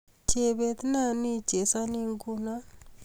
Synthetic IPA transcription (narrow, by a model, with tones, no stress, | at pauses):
t͡ʃe˨βe˦t̪i˦na˦ni˦d͡ʒe˨sa˦ni˦ŋɡu˦na˦